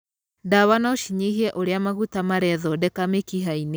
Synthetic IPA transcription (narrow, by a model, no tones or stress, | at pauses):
daβanaoʃiɲeɦiɛʔoɾeamaɣutamaɾɛðɔdɛkamekiɦaine